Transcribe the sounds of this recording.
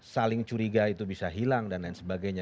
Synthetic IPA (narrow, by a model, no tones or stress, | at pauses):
salɪŋt͡ʃuɾiɡait̪ubisaɦilaŋdanlainsəbaɡajɲa